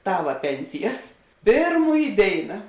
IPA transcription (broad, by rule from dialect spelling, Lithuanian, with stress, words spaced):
ˈtɑːʋɐ ˈpʲɛnʲsʲɪjɛs ˈpʲeːrˌmuːj ˈdʲeːɪnɐ